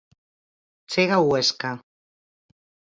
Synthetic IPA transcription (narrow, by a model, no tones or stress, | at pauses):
t͡seɣaweska